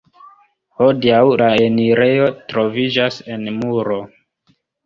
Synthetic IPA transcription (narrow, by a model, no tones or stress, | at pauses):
ho̞diawlaeniɾe̞jo̞tɾo̞vid͡ʒase̞nmuɾo̞